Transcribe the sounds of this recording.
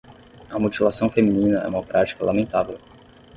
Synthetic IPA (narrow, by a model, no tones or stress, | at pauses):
ɐmot͡ʃilasɐ̃w̃femĩnĩnɐɛ̰ũmɐpɾʔat͡ʃi̥kɐlamẽnt̪avew